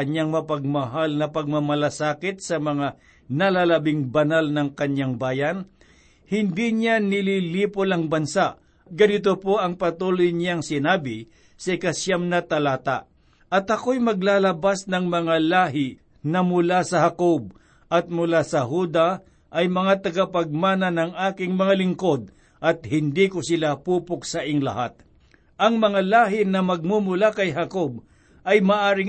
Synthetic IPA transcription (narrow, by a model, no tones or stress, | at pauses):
ɐɲaŋmɐpɐɡ̚mɐɦalnɐpɐɡ̚mɐmɐlasaːkɪt̪̚sɐmɐŋa | nɐlalɐbɪŋbɐnalnɐŋkɐɲːaŋbaːjɐn | hɪnd̪iɲanɪliliːpolɐŋbɐnsaʔ | ɡɐnɪt̪̬opo̞ʔɐŋpɐt̪uːlojɲaŋsɪnaːbɪ | sɐʔɪkasjamnɐt̪ɐlaːt̪a̰ | ʔɐt̪ɐkojmɐɡlaːlɐbasnɐŋmɐŋalaːɦɪ | nɐmʊlasɐhakob̚ | ʔɐt̪̚mʊlasɐɦud̪a | ʔɐjmɐŋat̪ɐɡapɐɡ̚maːnɐnɐŋaːkɪŋmɐŋalɪŋko̞d̪̚ | ʔɐt̪̚hɪnd̪ikosɪlapuːpʊksɐʔɪŋlɐ̰ha̰t̪̚ | ʔɐŋmɐŋalaːɦɪnɐmɐɡ̚mumʊlakɐjɦɐkob | ɐjmaʔaːɾɪŋ